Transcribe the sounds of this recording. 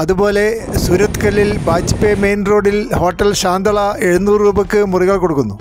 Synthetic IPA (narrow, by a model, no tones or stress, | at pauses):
ɐðubo̞ːle̞ | suɾɐt̪ːkɐlːilbaːd͡ʑɐ̥pːeme̞ːnro̞ːɽilho̞ːʈːɐlɕaːnd̪ɐɭɐe̞ɻunːuːruːbɐkːɨmuriɣɐɭko̞ɽukːunːu